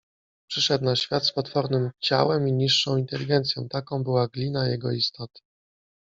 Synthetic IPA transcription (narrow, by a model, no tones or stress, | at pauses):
pʂɘʂɛd̪naɕfʲjat̪spɔt̪fɔɾnɘmt͡ɕa̰wɛmiɲiʂːɔ̃w̃int̪ɛlʲiɡɛnt̪sjɔ̃w̃t̪akɔ̃w̃bɘwaɡlʲinajɛɡɔist̪ʰɔt̪ɘ̥